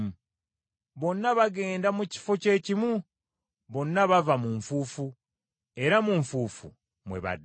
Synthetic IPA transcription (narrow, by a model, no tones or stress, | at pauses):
βo̞nːaβaɡe̞ːndamuci̥fo̞ce̞ːcimu | βo̞nːaβavamuɱfuːfu | e̞ɾamuɱfuːfṵ | mweβa̰d